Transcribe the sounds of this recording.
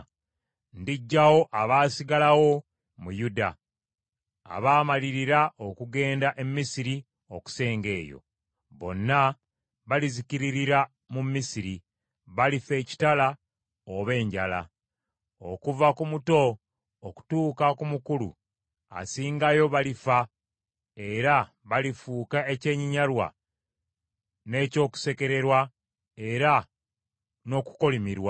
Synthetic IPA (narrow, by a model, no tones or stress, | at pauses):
ndiɟːawo̞ʔaβaːsiɡalawo̞ | mujuda̰ | a̰βaːmaliɾiɾaʔo̞kuɡe̞ːndaʔe̞mːisiɾi | o̞ku̥se̞ːŋɡe̞ːjo̞̰ | βo̞̰nːa | βalizikiɾiɾiɾa | mumisiɾi | βalife̞ci̥tala | oβe̞ːɲɟala̰ | o̞̰kuvakumuto̞ː | ku̥tuːkakumukulṵ | a̰siːŋɡajo̞βalifa | e̞ɾa | βalifuːkae̞ce̞ːɲiɲalwa̰ | ne̞ːco̞ːku̥se̞ke̞ɾe̞ɾwa | e̞ɾa | no̞ku̥ko̞limiɾwa